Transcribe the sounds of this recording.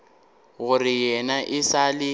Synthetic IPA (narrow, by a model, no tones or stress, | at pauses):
ɣʊrijɛnaʔɪsalɪ